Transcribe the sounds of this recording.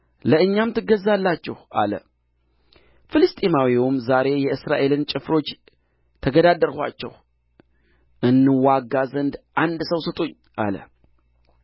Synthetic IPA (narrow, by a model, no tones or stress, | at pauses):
ləɨɲːamt̪ʰɨɡːəzːalːat͡ʃːɛhʔa̰lə̰ | fɨlɨst̪ʼimawiwumzaɾe̞jɛɨsɾaʔe̞lɨnt͡ʃʼɪfɾo̞t͡ʃː | t̪ʰəɡəd̪ad̪əɾhʷa̰t͡ʃːɛ̰h | ʔɨnːɨwaɡazənd̪ʔand̪səwsɨt̪ʼoɲː | ʔa̰lə̰